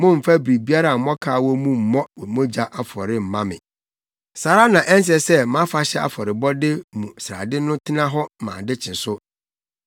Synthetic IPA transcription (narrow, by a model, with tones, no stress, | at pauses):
mʊ̃˦m̩˨fa˦bɾi˨bi˦a˦ɾa˨m̩˨mɔ̃˦kʰaː˨wɔ˦mũ˦m̩˨mɔ̃˦wɛ˨mõ˦d͡ʑa˨ʔa˨fɔ˨ɾɪ˦m̩˨mã˦mɪ̰̃˨ | saː˨ɾa˦nã˨ʔɛ˦n˦s̬ɛ˨sɛ˦mã˦fa˦ɕɛ˦a̰˨fɔ˨ɾɪ˨bɔ˦dɪ˦mũ˨sɾa̰˨dɪ˦nʊ̃˦tʰɪ˦nã˦ɦɔ˦˨mã̰ː˨dɪ˦t͡ɕʰɪ̃˨nsʊ˦